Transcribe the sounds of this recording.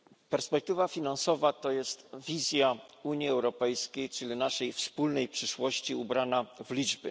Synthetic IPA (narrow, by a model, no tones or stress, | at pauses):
pɛɾspɛk̚t̪ɘvafʲinansɔvat̪ɔjɛst̪vʲizʲjauɲjiɛwɾɔpɛjskʲejt͡ʂɘlʲinaʂɛjfspulnɛjpʂɘʂwɔɕt͡ɕiubɾanavlʲid͡ʐbɘ̰